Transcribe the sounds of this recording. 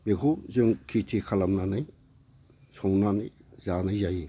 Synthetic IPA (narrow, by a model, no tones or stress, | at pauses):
bekʰuzɯŋkʰitʰikʰalamnanɯj | sʰɔwnanɯjzanajzaji